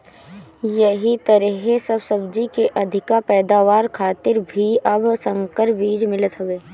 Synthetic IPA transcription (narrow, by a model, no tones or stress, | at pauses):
jɐɦit̪ɐɾiːɦesɐbsɐbd͡ʒikeʔɐd̪ʱɪkapɛːd̪aːʋaːɾkʰaːt̪ɪɾbʱiɐbsə̃ŋkəɾʋiːd͡ʒmɪlət̪ɦɐʋeː